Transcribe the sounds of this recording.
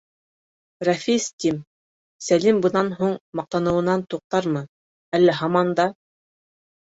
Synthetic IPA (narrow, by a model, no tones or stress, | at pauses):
rɑfist̪ʲim | sælimbɤ̆nɑnɦuɴmɑq̚t̪ɑnɤ̆wɤ̆nɑnt̪uq̚t̪ɑɾmɤ | ælːæɦɑmɑnd̪ɑ